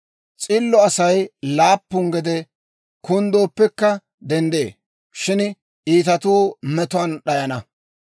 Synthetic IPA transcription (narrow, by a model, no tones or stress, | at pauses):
t͡sʼɪlːɔɐsɐjlaːpːʊŋɡɛd̪ɛ | kʊnd̪oːpːɛkːɐ | d̪ɛnd̪ḛː | ʃɪn | ʔiːt̪ɐt̪uːmɛt̪ʊɐnɗɐjɐnɐ